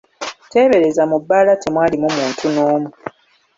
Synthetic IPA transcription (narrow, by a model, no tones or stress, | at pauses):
te̞ːβe̞ɾe̞zamubːalatemwaːlimumuːntʰunoːmu